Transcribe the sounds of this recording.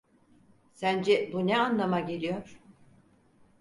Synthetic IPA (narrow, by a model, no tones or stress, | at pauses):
sænd͡ʒɛbunɛanlˠamaɟe̞lʲijoɾ̥